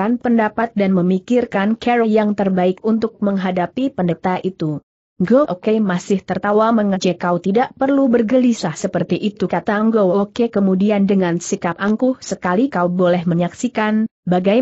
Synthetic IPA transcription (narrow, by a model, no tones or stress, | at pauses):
anpəndapat̪̚danməmikɪrkankʰɛɾojaŋt̪ərbaɪkunt̪ʊk̚məŋɦadapipəndət̪aʔit̪u | ŋɡoʔokemasɪht̪ərt̪awaməŋəd͡ʒɛkaut̪idaʔpərlubərɡəlisahsəpərt̪iʔit̪ukat̪aŋɡookekəmudiandəŋansikapaŋkʊhsəkalikaubolɛhməɲaksikanbaɡaj